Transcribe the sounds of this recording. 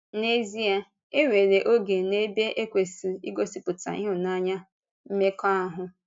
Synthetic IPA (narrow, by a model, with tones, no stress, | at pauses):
ne˦zi˦a˦ | e˦ŋʷe˨ɾe˨ʔo˦ɡe˨ne˦be˦ʔe˦kʷe˨si˨i˦ɡo˦si˦pʊ˨ta̰˨ḭ˦ɦʊ˨na˦ɲa˦ | m̩˦me˦kɔ˦a˦ɦʊ˦